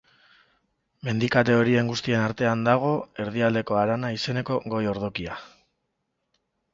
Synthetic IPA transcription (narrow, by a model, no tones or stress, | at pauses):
me̞nd̪ikat̪̬e̞o̞ɾie̞ŋɡust̪ie̞naɾt̪e̞and̪aɣ̞o̞e̞ɾð̞iald̪e̞ko̞aɾanaise̞ne̞ko̞ɣo̞jo̞ɾð̞o̞kia